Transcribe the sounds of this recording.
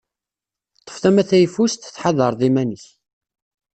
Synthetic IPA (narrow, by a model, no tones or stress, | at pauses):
t̪ˤːə̥fθæmæθæjfust̪θħaðəɾˤðˤimænəç